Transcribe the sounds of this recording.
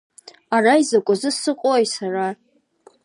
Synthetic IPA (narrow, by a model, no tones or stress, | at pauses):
araizakʷʼazɨsɨqʼojsara